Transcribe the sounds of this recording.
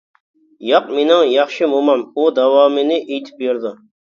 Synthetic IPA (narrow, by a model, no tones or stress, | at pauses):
jɑq̚menɪŋjɑχʃɪmumɑmud̪ɑwɑːmɪnɪʔejt̪ʰɪ̥p̚beɾd̪ʊ